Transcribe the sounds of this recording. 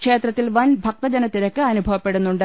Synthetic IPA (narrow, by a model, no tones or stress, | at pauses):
kʂe̞ːt̪rɐt̪ːilʋɐnbʱɐk̚t̪ɐd͡ʑɐnɐt̪ːiɾɐkːɨɐnubʱɐʋɐpːe̞ɽunːuɳɖɨ